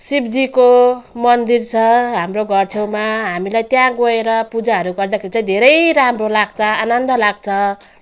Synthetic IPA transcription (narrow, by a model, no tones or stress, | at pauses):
sibd͡zikomʌnd̪irt͡sʰʌɦamroɡʌrt͡sʰewmaɦamilajt̪jãɡoeɾʌpud͡zaɦʌɾuɡʌrd̪akʰeɾit͡sʌj̃d̪ʱeɾʌjɾamrolaɡ̚t͡sʰʌanʌnd̪ʌlaɡt͡sʰʌ